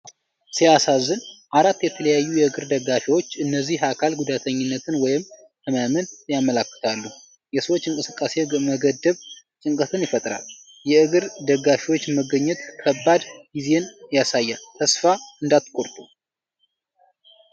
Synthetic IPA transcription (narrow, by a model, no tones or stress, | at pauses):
sijasazɨnʔaɾat̪ːjɛt̪ʰələjajːujɛɨɡɨɾd̪əɡːafiwo̞t͡ʃːɨnːəzːiɦakʰalɡud̪at̪ʰəɲːɪnːət̪ʰɨnwɔjɪm | t̪ʰəmamɨnjamːəlakːɨ̥t̪ʰalːu | jɛsəwot͡ʃːɨŋkʼɨsɨkʼːase̞məɡəd̪ːəβ | t͡ʃʼɨŋkʼət̪ʰɨnjɪfət̪ʼɾa̰l | jɛɨɡɨɾd̪əɡːafiwo̞t͡ʃːɛməɡəɲːɛt̪kʰəbːad̪ɡize̞njasajːalt̪ʰəsfaɨnd̪at̪kʼoɾt̪ʼu